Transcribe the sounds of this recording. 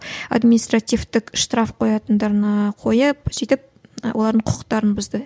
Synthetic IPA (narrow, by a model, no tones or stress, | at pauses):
a̰d̪minist̪rat̪ijft̪ɪkʃt̪ɾɑfqʰo̞jɑt̪ənd̪ɑɾnɑqʰo̞jəpsijt̪ɪp̚wʔo̞lˠɑɾd̪əɴqʰʊ̥əq̚t̪ɑɾənbʊzd̪ə